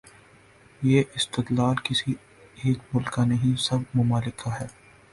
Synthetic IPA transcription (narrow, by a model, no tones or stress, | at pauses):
jeːʔɪst̪ɪt̪laːlkɪsi | ɦemʊlkanɐɦĩsɐb̚mʊmaːlɪkaɦɛː